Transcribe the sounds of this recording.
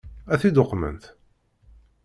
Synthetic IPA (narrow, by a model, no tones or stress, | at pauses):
æθid̪oqːmə̰nθ